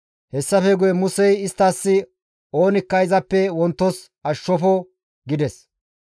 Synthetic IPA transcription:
hɛsːɐfɛɡʊjɛmʊsɛjɪst̪ːaːsːɪ | oːnɪkːɐjzɐpːɛwɔnt̪ːɔs | ɐʃːɔfɔ | ɡɪd̪ɛs

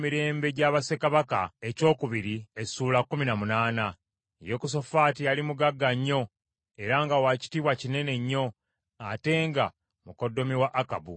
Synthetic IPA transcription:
miɾe̞ːmbe̞ɟaːβase̞kaβaka̰e̞co̞ːkuβiɾie̞suːlakːuminamunaːna | jokus̬o̞faːtijalimuɡaɡːaɲːo̞ | e̞ɾaŋɡawaci̥tiβwacine̞ne̞ɲːo̞ | ate̞ːŋɡa | muko̞dːo̞miwaʔːkabṵ

